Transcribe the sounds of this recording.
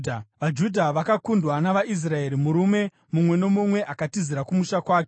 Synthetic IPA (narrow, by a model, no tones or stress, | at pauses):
ʋad͡ʒudʱaʋakakundwanaʋais̬rae̞ɾimuɾume̞ | mumwe̞no̞mumwe̞ʔakatiziɾakumuʃakwaːke